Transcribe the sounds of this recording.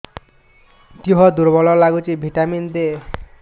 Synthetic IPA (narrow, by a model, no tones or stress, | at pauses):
t̪iɦɔd̪uɾbɔlɔlaɡut͡ʃibʱiʈamind̪e